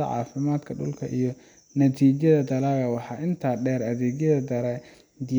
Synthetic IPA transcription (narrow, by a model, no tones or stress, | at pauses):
ɐ̰ʕɑ̰ːfɪmaːd̪kʰɐɖʊ̰lkʰɐʔijɞ | nɐt̪ʰiːt͡ʃɐðɐd̪ɐlaɣɐwɑħɑːʔɪnt̪ʰaːɖɛːɾɐðɛːɡjɐðɐd̪ɐɾɛ | d̪ɪ